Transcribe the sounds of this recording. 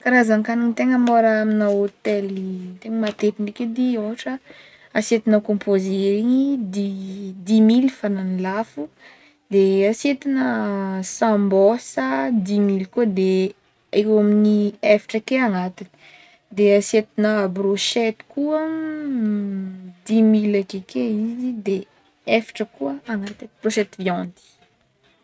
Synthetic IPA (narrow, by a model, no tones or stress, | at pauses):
kaɾazaŋkaniɲt̪eŋəmoɾaaminaot̪elit̪eŋəmat̪epinikʲed̪ioɦaʈ͡ʂə | aset̪inakõmpozeɾiɲid̪id̪imilfananilafu | d̪easet̪inəsãmbɔsəd̪imilkuəd̪e | ekaminiefi̥ʈ͡ʂəkeaŋat̪ini̥ | d̪easet̪inəbroʃɛt̪i̥kuə | d̪imilakekeizid̪e | efi̥ʈ͡ʂəkuəaŋat̪inibroʃɛt̪vjɔ̃nd̪i̥